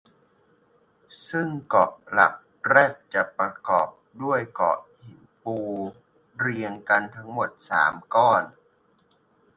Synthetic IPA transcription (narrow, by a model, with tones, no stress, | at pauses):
sɯ˥˩ŋkɔ˨˩ʔ̚la̰˨˩p̚ | ɾɛː˥˩p̚t͡ɕa˨˩ʔpɾa˧kɔː˨˩p̚du˥˩əjkɔ̰ː˨˩ʔhi˨˩˦npuː˧ | ɾi˧əŋka˧nt̪ʰa˧˦˥ŋmo˨˩t̪̚sa̰ː˩˦mkɔː˥˩n